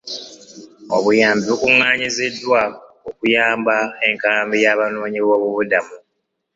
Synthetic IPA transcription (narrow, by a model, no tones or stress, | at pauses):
o̞̰βujaːmbiβokuŋːaːɲizedːwa | okujaːmbae̞ŋkaːmbijaβanoːɲiβo̞ːβuβudamu